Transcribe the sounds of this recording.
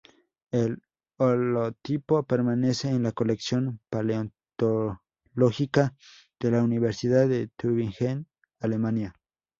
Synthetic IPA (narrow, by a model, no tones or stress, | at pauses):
el | olot̪ipopeɾmane̞seːnlakoleksjonpaleont̪o | loxika | d̪̥elauniβeɾsiðaðet̪uβiŋxen | alemanja